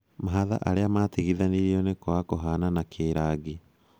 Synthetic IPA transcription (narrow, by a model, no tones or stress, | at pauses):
maɦaða̰ʔaɾeamateɣiðaniɾiɔnekwakoɦananakʰeːɾaːɡi